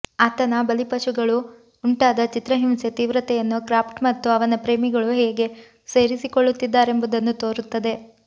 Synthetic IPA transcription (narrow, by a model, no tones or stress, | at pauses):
aːt̪ɐnɐbɐlipɐʃuɡɐɭuː | ɳʈaːd̪ɐt͡ʃit̪ɾɐɦimse̞t̪iːʋɾɐt̪ɛjɐnːukɾaːpʈmɐt̪ːuɐʋɐnɐpɾe̞ːmiɡɐɭuɦeːɡe̞ | se̞ːɾisikoɭːut̪ːid̪ːaːɾe̞mbud̪ɐnːut̪o̞ːɾut̪ːɐd̪e̞